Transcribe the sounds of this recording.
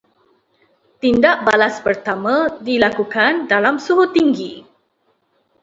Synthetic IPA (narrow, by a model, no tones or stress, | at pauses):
t̪indaʔbalaspərt̪amãdilakukandalamsuɦʊt̪ːiŋɡi